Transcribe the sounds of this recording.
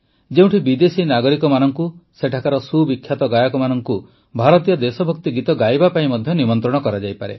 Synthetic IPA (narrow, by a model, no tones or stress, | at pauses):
d͡ʒeũʈʰibid̪esinaɡɔɾikɔmanɔŋkuseʈʰakaɾɔsubikʰːjat̪ɔɡajakɔmanɔŋku | bʱaɾɔt̪ijɔd̪esɔbʱɔk̚t̪iɡit̪ɔɡajbapaĩmɔd̪ʱjɔnimɔnt̪ɾɔɽ̃ɔkɔɾad͡ʒajpaɾḛ